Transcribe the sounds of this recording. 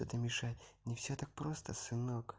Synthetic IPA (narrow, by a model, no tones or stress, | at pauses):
ot̪əmʲɪʂatʲnʲɪfsʲot̪ak̚pɾo̞st̪əsɨnok